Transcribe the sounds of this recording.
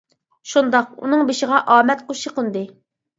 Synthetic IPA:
ʃund̪ɑqṵnɨŋbeʃɪʁɑʔɑːmɛt̪̚qʰoʃiqənd̪ɨ

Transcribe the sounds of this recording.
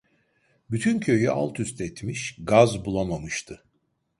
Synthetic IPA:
byt̪ʰyncʰø̞jyʔa̰lˠt̪ʰyst̪ɛt̪miʃɡazbulˠamamɯʃt̪ʰɯ

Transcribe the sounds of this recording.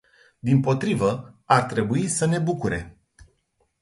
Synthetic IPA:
d̪impo̞t̪ɾivəart̪ɾe̞buisəne̞bukuɾe̞̰

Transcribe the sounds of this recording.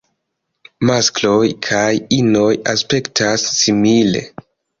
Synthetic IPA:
masklo̞jkʰajino̞jaspe̞ktʰasːimile̞̰

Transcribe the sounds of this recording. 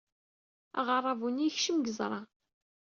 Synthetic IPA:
ɑ̰ʁɑrˤɑvuniçʃəmɡəzˤɾˤɑ

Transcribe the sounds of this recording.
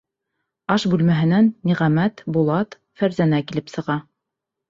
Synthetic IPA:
ɑʃbʉlmæɦɘ̆nænːiʁæmæt̪bulˠɑt̪ | fæɾzænækilɘpsɤ̆ʁɑ

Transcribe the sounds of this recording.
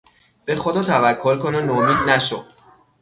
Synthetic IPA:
b̥exod̪ɒːt̪ʰævækʰːolkononomiːd̪̚næʃo

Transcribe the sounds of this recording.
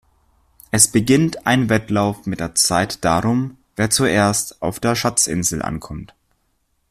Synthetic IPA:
ʔɛsb̥əɡɪntʔaɪnvɛtlaʊfmɪt̚d̥eːɐt͡saɪtd̥aːʁʊmveːɐt͡suʔeːɐstaʊfd̥eːɐʃat͡sʔɪ̰nzl̩ʔa̰nkʰɔmt

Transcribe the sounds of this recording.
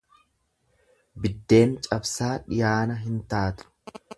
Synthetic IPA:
bɪd̪ːe̞ːnt͡ʃʼɐbsaːᶑɪjaːnɐɦɪnt̪aːt̪ʊ̥

